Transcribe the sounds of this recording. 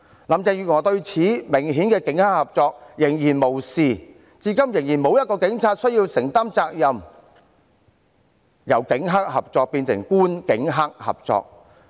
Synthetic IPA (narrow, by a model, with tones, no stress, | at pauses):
lɐ˨mt͡sɛː˧jyː˧˥ŋɔː˨˧t̪ɵ˧ɥt͡sʰiː˨˥mɪ˨˩ŋɦi˨˥nkɛː˧kɪ˨˥ŋha˥k̚hɐ˨p̚t͡sɔː˧k̚jɪ˨˩ŋjiː˨˩nmo˨˩wsiː˨ | t͡siː˧kɐ˥mjɪ˨˩ŋjiː˨˩nmo˨˧wjɐ˥t̚kɔː˧kɪ˨˥ŋt͡sʰaː˧t̚sɵ˥ɥjiː˧wsɪ˨˩ŋt̪a˥mt͡saː˧k̚jɐ˨m | jɐ˨˩wkɪ˨˥ŋɦa˥k̚hɐ˨p̚t͡sɔː˧k̚piː˧nsɪ̰˨˩ŋkuː˥nkɪ˨˥ŋɦa˥k̚hɐ̰˨p̚t͡sɔ̰ː˧k̚